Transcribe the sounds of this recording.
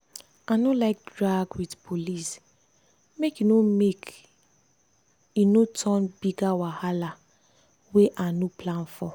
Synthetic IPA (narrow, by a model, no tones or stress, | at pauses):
anolaɪk̚dɹaɡwidpʰolis | mekinomek | inotʰɔnbiɡawahala | weʔanopʰlãnfɔ